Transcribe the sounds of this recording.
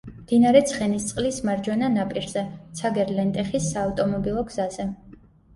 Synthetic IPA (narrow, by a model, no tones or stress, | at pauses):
md̪̥inaɾɛt̪sʰχɛnist̪sʼqʼlismaɾd͡ʒwɛnanapʼiɾzɛt̪sʰaɡɛɾlɛnt̪ʼɛχisaːft̪ʼɔmɔbilˠɔɡzazɛ